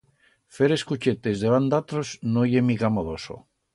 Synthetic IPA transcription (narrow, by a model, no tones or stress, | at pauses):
feɾeskut͡ʃet̪ezðeβand̪at̪ɾoznojemiɣamoðoso̰